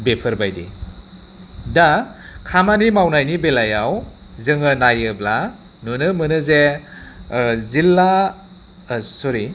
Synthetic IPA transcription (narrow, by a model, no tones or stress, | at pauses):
bepʰɯɾbajdḭ | dakʰamanimawnajnibelajaw | zɯŋɯnajɯbla | nunɯmɯnɯze | zilːa | sɔɾi